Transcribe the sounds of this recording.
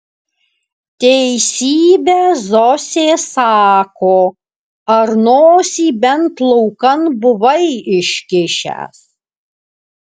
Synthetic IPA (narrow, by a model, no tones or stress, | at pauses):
t̪ʲɛɪsʲiːbʲezɔsʲeːsɑːkoː | ɐɾnoːsʲiːbʲɛnt̪lˠɔʊkɐnbʊʋɐɪɪʃʲkʲɪʃʲæ̰ːs